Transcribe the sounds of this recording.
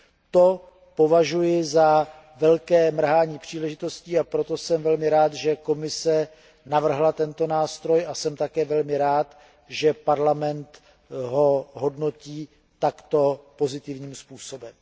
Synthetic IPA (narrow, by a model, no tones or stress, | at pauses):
t̪o̞ | po̞vaʒujɪza | vɛlkɛːmr̩ɦaːɲiːpr̝̥iːlɛʒɪt̪o̞sciːapɾot̪o̞sɛmvɛlmɪɾaːt̪ʒɛko̞mɪsɛ | navr̩ɦlat̪ɛnt̪o̞naːst̪ɾo̞jʔasɛmt̪akɛːvɛlmɪɾaːt̪ | ʒɛpaɾlamɛnt̪ | ɦo̞ɦodnociː | t̪akt̪o̞po̞zɪt̪ɪvɲiːmspuːso̞bɛm